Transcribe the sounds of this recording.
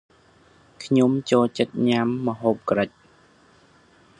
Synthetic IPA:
kʰɲomt͡ɕoːlt͡ɕət̪̚ɲamːə̆ɦoːp̚krəc̚

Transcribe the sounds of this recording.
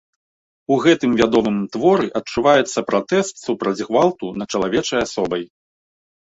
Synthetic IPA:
uɣɛt̪ɨmvʲad̪ɔmɨmt̪vɔɾɨʔɐt͡ʂuvajɛt̪sːɐpɾat̪ɛst̪supɾɐd͡zʲɣvalˠt̪unɐt͡ʂɐlˠavʲɛt͡ʂɐjasɔbɐj

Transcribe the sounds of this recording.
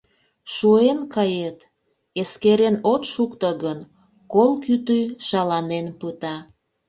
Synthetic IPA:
ʃuenkɑjet̪ | eskeɾenot̪ʃukt̪əɣən | kolkyt̪yjʃɑlɑnenpɯt̪ɑ

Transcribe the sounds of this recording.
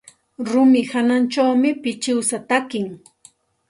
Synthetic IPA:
ɾʊmɪhanant͡ʃawmɪpɪt͡ʃɪwsat̪akɪŋ

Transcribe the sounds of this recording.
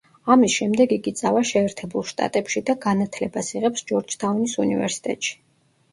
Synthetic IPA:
amisʃɛmd̪ɛɡiɡit̪sʼavaʃɛːɾt̪ʰɛbulˠʃt̪ʼa̰t̪ʼɛpʃid̪aɡanat̪ʰlɛbasiʁɛpsd͡ʒɔɾd͡ʒt̪ʰaunisunivɛ̰ɾsi̥t̪ʼɛt̪ʼʃi̥

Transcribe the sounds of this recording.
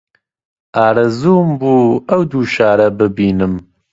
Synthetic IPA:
aːɾɨzuːmbuːɐwd̪uːʃaːɾɛbɨbiːnɨm

